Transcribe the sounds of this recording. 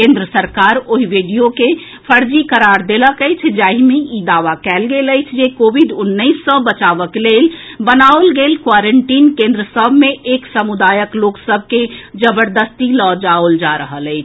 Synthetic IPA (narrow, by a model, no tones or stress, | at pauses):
kẽːnd̪ɾəsəɾkaːɾoɦiʋeɖijoke | pʰəɾd͡ʒikəɾaɾd̪eləkəɪt͡ʃʰd͡ʒaːɦimeid̪aːʋakɛːlɡeːləɪt͡ʃʰd͡ʒekoːʋiɖʊnːəɪsːɔbət͡ʃaːʋəkleːlbənaolɡeːlkwaɾəɳʈiːnkẽnd̪ɾəsəbʱmẽʔeːksəmud̪aːjəkloːksəb̚ʱked͡ʒəbəɾd̪əst̪ilɔd͡ʒaold͡ʒaɾəɦələɪt͡ʃʰ